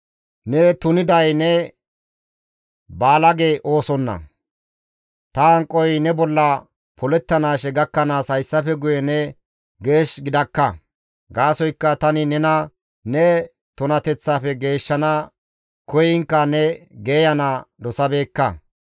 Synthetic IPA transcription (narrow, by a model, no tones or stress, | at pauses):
nɛt̪ʊnɪd̪ɐjnɛ | baːlɐɡeʔo̞ːsɔnːɐ̰ | t̪ɐɐŋkʼːɔjnɛbɔlːɐ | pɔlɛt̪ːɐnaːʃɛɡɐkːɐnaːshɐjsːɐfɛɡʊjɛnɛ | ɡe̞ːʃɡɪd̪ɐkːɐ | ɡaːsɔjkːɐt̪ɐnɪnɛnɐ | nɛ | t̪ʊnɐt̪ɛt͡sːaːfɛɡe̞ːʃːɐna | kɔjɪŋkːɐnɛɡeːjɐnad̪ɔsɐbe̞ːkːɐ